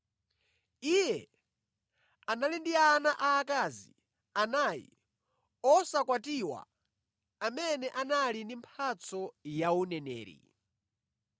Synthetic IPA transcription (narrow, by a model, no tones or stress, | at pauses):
ijɛ | analindianaʔaːkazḭ | anajḭ | ɔsakwatiwa̰ | amɛnɛʔanalindimpʰat͡sɔjaunɛnɛ̰ːɾḭ